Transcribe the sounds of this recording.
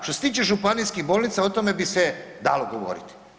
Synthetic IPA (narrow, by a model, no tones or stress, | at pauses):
ʃt̪oset̪iːt͡ʃeʒupanijskixbo̞ːlˠnit̪saot̪o̞me̞bisʋed̪a̰loɡo̞ʋo̰ɾḭt̪i̥